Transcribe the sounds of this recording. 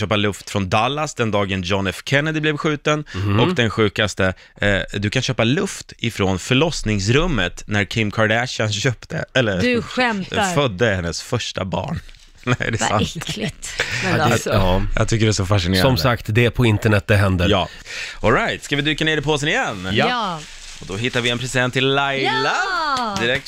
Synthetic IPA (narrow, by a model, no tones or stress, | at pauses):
øːpalɵft̪fɾɔnd̪alːasd̪ɛnd̪ɑːɡənd͡ʒɔnɛfkʰɛnːad̪ɪblɛvɧʉ̟ːt̪ənɔkd̪ɛnɧʉ̟ːkast̪ə | d̪ɵkʰanɕøːpalɵft̪ɪfɾonfœɭɔsnɪŋsɾɵmːət̪næɾkʰɪmːkʰaɾɖæɕanɕøːpt̪ʰə̰ɛlːəɾdɧɛmt̪afœd̪ːəhɛnːəsfœʂʈa̰bɑ̰ːɳ | næ̰ɖɛsa̰t̪klɪt̪ | ɑjɑ̰t̪ʰʏkːəɾɛsɔfaʂɪnesːɾɔmsəakt̪d̪ɛpʰɔɪnt̪əɳɛt̪̚d̪ɛɦɛnd̪əɾjɑː | ɔlɾajt̪skavɪd̪ʉ̟ːkːaneːɖ̪ɛpʰoːsɛnɪjɛnː | ɔd̪ɔɦɪt̪ːaɾvɪɛnpʰɾɛsɪd̪ɛnt̪ʰːɪlːajlad̪ɪɾɛk̚t̪